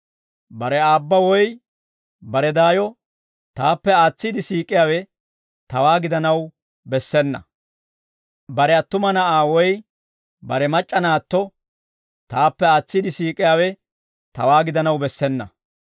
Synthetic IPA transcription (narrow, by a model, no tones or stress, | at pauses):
bɐɾɛaːbːɐwɔj | bɐɾɛd̪aːjɔ | t̪aːpːɛaːt͡sːid̪ɪsiːkʼːɪjaːwɛ | t̪ɐwaːɡɪd̪ɐnɐw | bɛsːɛnːɐ̰ | bɐɾɛɐt̪ːʊmɐnɐaːwɔj | bɐɾɛmɐt͡ʃʼːɐnaːt̪ːɔ | t̪aːpːɛaːt͡sːid̪ɪsiːkʼːɪjaːwɛ | t̪ɐwaːɡɪd̪ɐnɐwbɛsːɛnːɐ̰